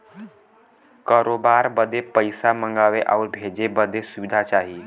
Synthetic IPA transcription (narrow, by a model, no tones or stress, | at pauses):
kaɾoːbaːɾbəd̪epəjsamə̃ŋɡaːʋeʔa̰uɾbʱeːd͡ʒebəd̪ʱesʊʋid̪ʱat͡ʃaːɦi